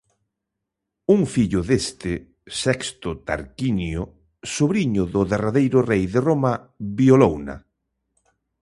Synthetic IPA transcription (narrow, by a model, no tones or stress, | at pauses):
uŋfiʎʊðest̪ɪ | sɛkst̪ʊt̪a̰ɾkinjʊ | soβɾiɲʊðʊðeraðejɾʊrejðeroma | βjiolowna̰